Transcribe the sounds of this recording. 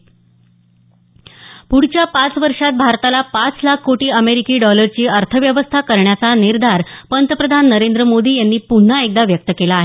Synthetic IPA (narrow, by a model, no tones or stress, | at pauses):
puɽ̤t͡ɕjapat͡sʋəɾʂat̪̚bʱaɾt̪alapat͡slakʰːoʈiːəmeɾikiːɖɔləɾt͡ɕiːəɾt̪ʰəʋjəʋəst̪ʰakəɾɳjat͡saniɾd̪ʱaɾpənt̪əpɾəd̪ʱanːəɾend̪ɾəmod̪iːjanːiːpun̤ːaek̚d̪aʋjək̚t̪əkelaːɦe